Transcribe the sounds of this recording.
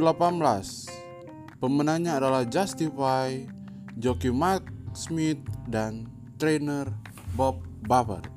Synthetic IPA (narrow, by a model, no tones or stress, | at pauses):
lapanblas | pəmənaŋɲaːdalahd͡ʒast̪ifaj | d͡ʒɔkimaksmit̪̚dan | t̪ɾenər | bɔp̚bawə̰r